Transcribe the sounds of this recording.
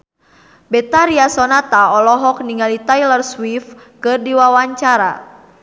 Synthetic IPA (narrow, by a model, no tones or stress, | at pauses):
bɛt̪aɾiasɔnat̪aɔlɔɦɔk̚niŋalit̪ajlərswif | kɨrdiwawaɲt͡ʃaɾa̰